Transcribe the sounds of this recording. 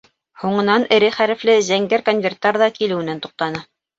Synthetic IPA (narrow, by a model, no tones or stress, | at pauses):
huɴɤ̆nɑnɘ̆ɾɘχæɾɘ̆flɘzæŋɡɘɾkonvʲert̪ːɑɾðɑkilɘ̆wɘ̆nænt̪u̥q̚t̪ɑnɤ